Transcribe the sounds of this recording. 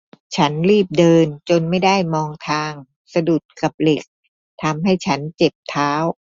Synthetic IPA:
t͡ɕʰa˦˥nliː˥˩p̚dɤː˧nt͡ɕo˧nma˥˩jda˥˩jmɔː˧ŋt̪ʰaː˧ŋ | sa˧du˨˩t̪̚ka˨˩p̚le˨˩k̚ | t̪ʰa˧mɦa˥˩jt͡ɕʰa˦˥nt͡ɕe˨˩p̚t̪ʰaː˦˥w

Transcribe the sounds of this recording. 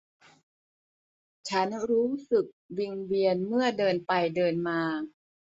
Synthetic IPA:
t͡ɕʰa˦˥nɾuː˦˥sɯ˨˩k̚wi˧nwi˧ənmɯ˥˩ɐdɤː˧npa˧jdɤː˧nmaː˧

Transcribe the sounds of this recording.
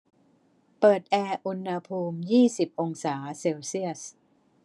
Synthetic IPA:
pɤː˨˩t̪̚ʔɛː˧ʔu˧nha˧pʰuː˧mjiː˥˩si˨˩p̚ʔo˧ŋsaː˩˦seː˧wsi˥˩əs

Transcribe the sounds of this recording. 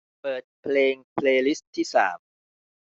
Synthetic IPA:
pɤː˨˩t̪̚pʰleː˧ŋpʰleː˧li˦˥stt̪ʰːiː˥˩sa̰ː˩˦m

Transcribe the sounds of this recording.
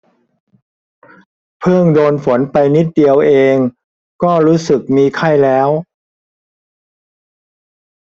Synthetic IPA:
pʰɯ˥˩ŋdoː˧nfo˩˦npa˧jni˦˥t̪̚di˧əwʔeː˧ŋ | kɔː˥˩ɾuː˦˥sɯ˨˩k̚miː˧kʰa˥˩jlɛː˦˥w

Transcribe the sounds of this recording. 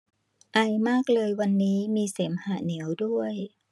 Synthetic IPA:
ʔa˧jmaː˥˩k̚lɤː˧jwa˧nːiː˦˥miː˧se˩˦mhaː˨˩ni˩˦əwdu˥˩əj

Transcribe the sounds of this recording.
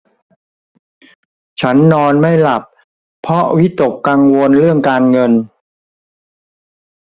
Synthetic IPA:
t͡ɕʰa˦˥nːɔː˧nma˥˩jla˨˩p̚ | pʰːɔ˦˥wi˦˥t̪o˨˩kːa˧ŋwo˧nɾɯ˥˩əŋkaː˧nŋɤ˧n

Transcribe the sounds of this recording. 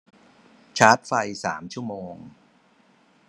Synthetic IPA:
t͡ɕʰaː˦˥t̪̚fa˧jsa̰ː˩˦mt͡ɕʰu˥˩əmoː˧ŋ

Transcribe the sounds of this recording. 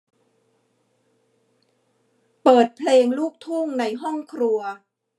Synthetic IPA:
pɤː˨˩t̪̚pʰleː˧ŋluː˥˩k̚t̪ʰu˥˩ŋna˧jɦɔ˥˩ŋkʰɾu˧ɐ

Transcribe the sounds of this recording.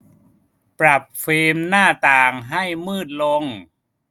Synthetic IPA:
pɾa˨˩p̚feː˧mnaː˥˩t̪aː˨˩ŋɦa˥˩jmɯː˥˩t̪̚lo˧ŋ

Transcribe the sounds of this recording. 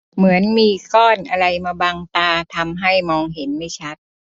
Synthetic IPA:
mɯ˩˦ənmiː˧kɔː˥˩nʔa˧ɾa˧jmaː˧baː˧ŋt̪aː˧t̪ʰa˧mɦa˥˩jmɔː˧ŋɦe˩˦nma˥˩jt͡ɕʰa˦˥t̪̚

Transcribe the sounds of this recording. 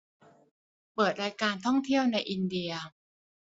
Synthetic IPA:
pɤː˨˩t̪̚ɾaː˧jkaː˧nt̪ʰɔ˥˩ŋt̪ʰi˥˩əwna˧jʔi˧ndi˧ɐ

